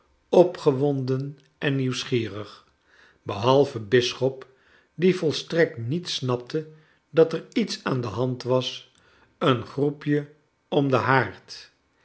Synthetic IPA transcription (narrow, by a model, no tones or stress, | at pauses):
ɔpχəʋɔndən | ʔɛnːiwsχiːrəχ | bəɦɑlˠvəbɪsχɔp | divɔlˠstrɛk̚tnitsnɑp̚tʰə | dɑtɛɹitsaːndəɦɑntʋɑs | ənχrupjə | ɔmdəɦaːɹt